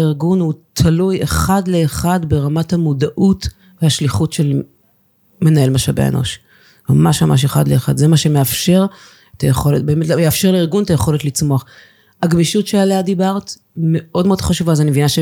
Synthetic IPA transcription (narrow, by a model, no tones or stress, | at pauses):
iʁɡunhutʰalujeχadle̞ːχadbe̞ʁamathamudaʔut | vehaʃliχutʃe̞l | me̞nae̞lmaʃabḛḛnʔo̞̰ʃ | mamaʃmamaʃ̬eχa̰d̪lḛeχa̰dzemaʃemeafʃe̞ʁ | etʰajeχo̞let̚be̞metljeafʃe̞ʁleiʁɡuntaje̞χo̞letlit͡smo̞aχ | aɡmiʃutʃealeadibaʁt | meʔo̞dme̞odχaʃuvazenevinaʃe